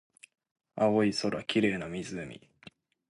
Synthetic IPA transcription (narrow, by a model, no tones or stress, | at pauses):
aoiso̞ɾakʲiɾe̞ːnamʲizɨmʲḭ